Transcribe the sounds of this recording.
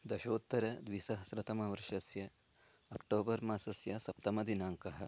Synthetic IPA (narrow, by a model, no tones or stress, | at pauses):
d̪ɐʃoːt̪ːɐɾɐd̪ʋisɐɦɐsɾɐt̪ɐmɐʋɐɾʂɐsjɐ | ɐkʈoːbɐɾmaːsɐsjɐsɐp̚t̪ɐmɐd̪inaːŋkɐɦɐ̆